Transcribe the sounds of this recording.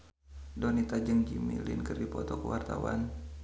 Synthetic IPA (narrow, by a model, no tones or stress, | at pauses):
dɔnit̪ad͡ʒəŋd͡ʒimilɪ̰nkɨrdipɔt̪ɔkəwart̪awa̰n